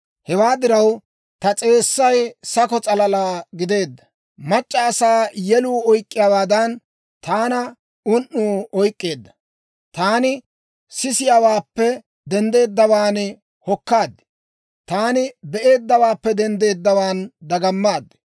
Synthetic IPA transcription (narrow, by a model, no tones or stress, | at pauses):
hɛwaːd̪ɪɾɐw | t̪ɐt͡sʼe̞ːsːɐjsɐkɔt͡sʼɐlɐlaːɡɪd̪e̞ːd̪ːɐ̥ | mɐt͡ʃʼːɐːsaːjɛluːɔjkʼːɪjaːwaːd̪ɐn | t̪aːnɐ | ʊnːuːɔjkʼːe̞ːd̪ːɐ̥ | t̪aːnɪ | sɪsɪjaːwaːpːɛ | d̪ɛnd̪e̞ːd̪ːɐwaːn | hɔkːaːd̪ːɛ̥ | t̪aːnɪbɛʔe̞ːd̪ːɐwaːpːɛd̪ɛnd̪e̞ːd̪ːɐwaːnd̪ɐɡɐmːaːd̪ːɛ̥